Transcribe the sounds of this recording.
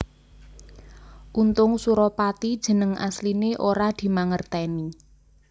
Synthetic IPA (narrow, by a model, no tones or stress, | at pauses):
ʔunt̪ʊŋsuɾɔpat̪id̥ʒ̥ə̤nəŋʔa̰slineʔoɾad̪̥i̤maŋərt̪ɛni